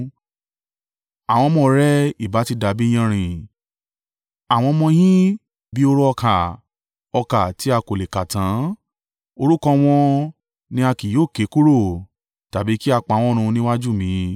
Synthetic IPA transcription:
a˨w̃ɔ̃˧mɔ̃˦˨ɾɛ˦i˦˨ba˨˦ti˧˦da˨bi˦j̃ã˧ɾ̃ĩ˨ | a˨w̃ɔ̃˧mɔ̃˧jĩ˦ | bi˨˦o˦ɾu˦ɔ˧kʰa˨ | ɔ˧ka˨ti˨˦a˧ko˨le˨ka˨tã˨˦ | o˧ɾu˦kɔ̃˧w̃ɔ̃˧ | nĩ˧˦a˧ki˨joː˦˨ke˨˦ku˦ɾo˦˨ | ta˨bi˨˦ki˦a˧k͡pa˨˧˦w̃ɔ̃˦˧ɾ̃ũ˧nĩ˦wa˦d͡ʒu˦˨mĩ˨˦

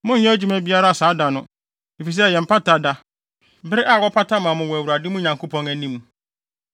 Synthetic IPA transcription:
mʊ̃˦ɲ̩˦ɲɛ̃˦æ˦d͡ʑu˦mæ˦bi˦a˦ɾa˦a˨saː˨˦da˨nʊ̃˨ | e˨fi˨s̬ɛ˦˨jɛ˨m̩˨pʰa˦ta˨da˦ | bɪ˦ɾɪ˦ʔa˦˨wɔ˦pʰa˦ta˦mã˨mʊ̃˨wɔ˨æ˨wu˨ɾa˨dɪ˦mʊ̃˦ɲã˨ŋkʰo˦pʰɔ̃˦ŋæ˨nĩ˦m˨

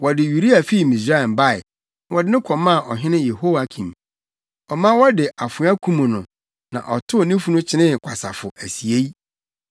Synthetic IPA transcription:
wɔ˨dɪ˨ju˨ɾi˦a˨fi˦˨mĩ˨sɾa˦ɛ˨m˨ba˦˨ɪ˨˦ | wɔ˨dɪ˦nɪ̃˦kʰɔ˨mã˦˨ʔɔ˨ɦɪ̃˦nɪ̃˦je˨ho˦wa˨kʰĩ˨m | ɔ˨mã˦wɔ˦dɪ˨ʔa˨fʊ̃˨˦a˦kʰũ˦mũ˨nʊ̃˨ | nã̰˨ʔɔ˨tʰʊ˦˨nĩ˦fu˦nʊ̃˦t͡ɕʰɪ˦nɪ̃˦˨kʷʰa˨sa̰˨fʊ˨æ˨si˨e˦i˦

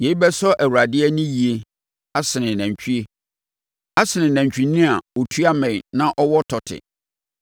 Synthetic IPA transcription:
je˨˦i˦bɛ˦sɔ˦ʔæ˨wɾa˨dɪ˦ɛ˦nĩ˦ji˨e˨ | a˦sɪ˨nɪ̃˨næ̃˨ɲ˨t͡ɕʰᶣy˦e˦ | a˦sɪ˨nɪ̃˨næ̃˨ɲt͡ɕᶣi˨nĩ˦a˨o˨tʰu˦a˦mɛ̃˨nã˦ʔɔ˦wɔ˦tʰɔ˨tʰɪ̰˨

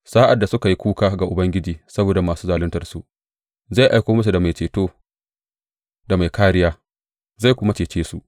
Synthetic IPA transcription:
saː˦ʔa˨dːa˨sʊ˦ka˨ji˦kʷuː˦kaː˦ɡa˨ʔʊ˨bɐ˦ŋɡʲɪ˦d͡ʒiː˨sɐ˦boː˨da˨maː˨suː˦zaː˨lɪ˦ntɐ˨rsu˨ʔ | za˦˨jʔa˨˦jkʷoː˦mɐ˦s̬u˨da˨ma˨jt͡ʃeː˨toː˦ | da˨ma˨jkaː˦ɽɪ˦jaː˦ | za˦˨kʷʊ˦ma˦t͡ʃeː˨t͡ʃeː˦su˨ʔ

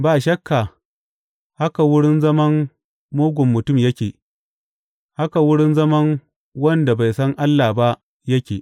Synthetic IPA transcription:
baː˨ʃɐ˦kːa˨ | ha˦ka˨wʊ˦ɽɪ˦nzɐ˦mɐ˦n | moː˦ɡʷʊ˨mːʊ˨tʊ˦˨mjɐ˦kʲeː˨ | ha˦ka˨wʊ˦ɽɪ˦nzɐ˦mɐ˦ŋ | wɐ˦nda˨ba˨jsɐ˦ŋʔa˦lːa˨ba˦ʔ | jɐ˦kʲeː˨ʔ

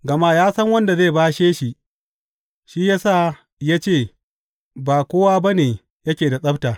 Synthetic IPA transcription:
ɡɐ˨ma˦jaː˦sɐ˦ŋwɐ˦nda˨ze˦˨baː˦ʃeː˦ʃi˨ | ʃiː˦ja˦saː˦˨ | ja˦t͡ʃeː˦˨ | baː˨kʷoː˦waː˦ba˦neː˨ | jɐ˦kʲeː˨da˨sʼɐ˦btaː˨

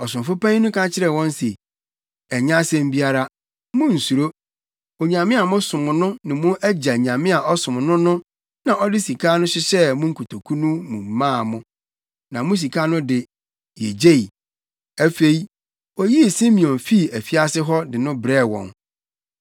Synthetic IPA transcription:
ɔ˨sʊ̃˨m˨fʊ˦pã˦nʊ̃˦kʰã˦t͡ɕʰɪ˦ɾɛ˦˨wɔ̃˦n˦se˨ | æ˨ɲã˦sɛ̃˦m̩˦bi˦a˦ɾa˦ | mʊ̃˦n̩˨su˨ɾo˦ | o˨ɲã˨mɪ̃˦a˨mʊ̃˦sʊ̃˨mʊ̃˨nʊ̃˦nɪ̃˨mʊ̃˦ʔæ˦d͡ʑa˨ɲã˨mɪ̃˦a˨ʔɔ˦sʊ̃˨m̃˨nʊ̃˦nʊ̃˦ | nã˨ʔɔ˦dɪ˦si˨kʰaː˦nʊ̃˦ɕɪ˦ɕɛ˦mʊ̃˦ŋ̩˦kʰu˨tʰo˨kʰu˦nũ˦mũ˨m̩˨mãː˦˨mʊ̃˦ | nã˨mʊ̃˦s̬i˨kʰa˦nʊ̃˦dɪ˨ | je˨d͡ʑe˦i˨ | æ˦fe˨i˦ | ɔ˦ji˦˨si˦mĩ˨ɔ̃˨nfi˦˨æ˨fi˦a˦sɪ˦ɦɔ˦dɪ˨nʊ̃˦bɾɛ˦˨wɔ̰̃˨n

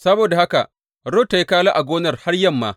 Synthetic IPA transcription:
sɐ˦boː˨da˨ha˦ka̰˨ʔ | ɽo˦tːa˨ji˦kaː˦la˦ʔa˨ɡʷoː˦nɐ˨rha˦rjɐ˦mːa̰ː˨

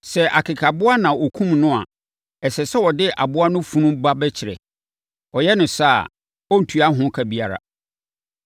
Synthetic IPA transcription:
sɛ˨ʔa˨kʰɪ˨kʰa˨bʊ˦a˦nã˨ɔ˨kʰũ˦mnʊ̃˦a̰˨ | ɛ˨sɛ˨sɛ˦wɔ˨dɪ˦ʔa̰˨bʊ˦a˦nʊ̃˦fũ˦nʊ̃˦ba˦bɛ˦t͡ɕʰɪ˨ɾɛ̰˨ | ɔ˨jɛ˦nʊ̃˨sa˦˨ | ɔ˦n̩˨tʰu˨˦a˦ɦʊ̃˦kʰa˨bi˦a˨ɾa̰˨

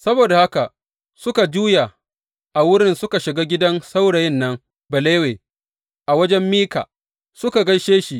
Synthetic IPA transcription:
sɐ˦boː˨da˨ha˦ka˨ʔ | sʊ˦ka˨d͡ʒuː˦ja˨ | ʔa˨wʊ˦ɽɪ˦nsʊ˦ka˨ʃɪ˨ɡaː˦ɡʲɪ˦dɐ˦nsa˦wɽa˨jɪ˦nːɐ˦ŋ | bɐ˨leː˦weː˨ | ʔa˨wɐ˦d͡ʒɛ˦mːiː˦ka̰ː˨ | sʊ˦ka˨ɡɐ˦jʃeː˦ʃi˨ʔ

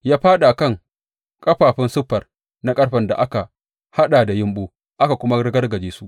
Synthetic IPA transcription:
jaː˦ɸaː˦ɗa˨ʔkɐ˦˨ŋ | kʼɐ˦ɸaː˨ɸɪ˦nsʊ˦ɸːɐ˨r | na˦kʼɐ˦ɽɸɐ˨nda˨ʔa˦ka˨ | ha˦ɗaː˨da˨jɪ˦mɓoː˦ | ʔa˦ka˨kʷʊ˦ma˦ɽɪ˦ɡɐ˦rɡɐ˨d͡ʒeː˨su˦ʔ

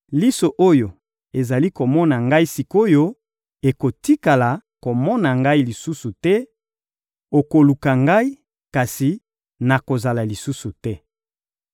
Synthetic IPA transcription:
li˦so˨ʔo˦jo˨ | e˨za˨li˦ko˨mɔ˦na˨ŋɡa˦i˦si˨ko˦jo˦ | e˨ko˨ti˦ka˨la˨ko˨mɔ˦na˨ŋɡa˦i˦li˨su˦su˨tɛ˦ | o˨ko˨lu˨ka˨ŋɡa˦i˦ | ka˨si˨ | na˨ko˨za˨la˨li˨su˦su˨tɛ˦

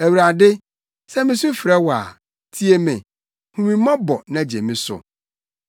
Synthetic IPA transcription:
æ˨wu˨ɾa˨dɪ˦ | sɛ˦mɪ̃˨sʊ̃˦fɪ˨ɾɛ˦wa̰˨ | tʰi˦e˦mɪ̃˨ | hũ˨mĩ˨˦mã˦bɔ˨nã˨d͡ʑḛ˨mĩ˦sʊ̰˨

